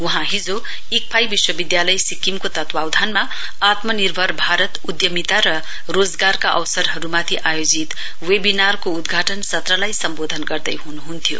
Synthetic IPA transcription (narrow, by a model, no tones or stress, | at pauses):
wuɦãɦid͡zo | ik̚pʰajbiswʌbid̪jalʌjsikimkot̪ʌt̪wawd̪ʱanma | at̪mʌnirbʱʌɾbʱaɾʌt̪ud̪jʌmit̪aɾʌ | ɾod͡zɡarkaʔʌ̰wsʌɾɦʌɾumat̪ʰiʔajod͡zit̪ | webinarkoud̪ɡʱaʈʌnsʌt̪rʌlajsʌmbod̪ʱʌnɡʌrd̪əjɦunuɦunt̪ʰijo̰